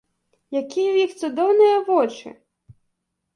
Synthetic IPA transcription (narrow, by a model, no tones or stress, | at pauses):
jɐkʲiwjixt̪sʊd̪ɔwnɪjɐʋɔt͡ʃɪ̰